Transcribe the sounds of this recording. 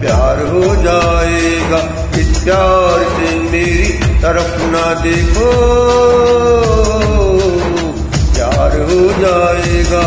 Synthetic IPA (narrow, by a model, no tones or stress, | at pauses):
pjaːɾɦod͡ʒaːeːɡaː | ɪsjaːɾse | meːɾit̪ɐɾəfʰnad̪eːkʰo | pjaːɾɦod͡ʒaːeːɡaː